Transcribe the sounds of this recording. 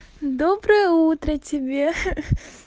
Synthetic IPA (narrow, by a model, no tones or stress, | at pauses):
d̪obɾəjəut̪ɾətʲɪbʲe